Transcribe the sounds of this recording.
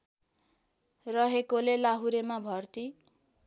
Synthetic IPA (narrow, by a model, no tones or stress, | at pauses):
rʌɦekolelaɦuɾemabʱʌrt̪i